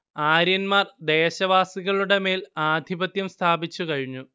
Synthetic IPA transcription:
aːɾjɐnmaːrd̪e̞ːɕɐʋaːsiɣɐɭuɽe̞me̞ːlaːd̪ʱibɐt̪jɐmst̪ʰaːbit͡ɕːukɐɻiɲːu

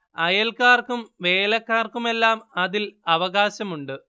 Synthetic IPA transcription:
ɐjɐlkaːrkumʋe̞ːlɐkːaːrkume̞lːaːmɐðilɐʋɐɣaːɕɐmuɳɖɨ

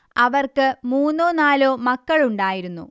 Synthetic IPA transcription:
ɐʋɐrkɨmuːnːoːnaːlo̞ːmɐkːɐɭuɳɖaːjiɾunːṵ

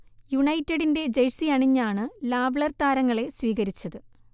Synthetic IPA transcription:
juɳɐjtːeɽinde̞d͡ʑejsiɐɳiɲːaːɳɨlaːʋɭɐrt̪aːɾɐŋːɐɭe̞sʋiːɣɐɾit͡ɕːɐðɨ

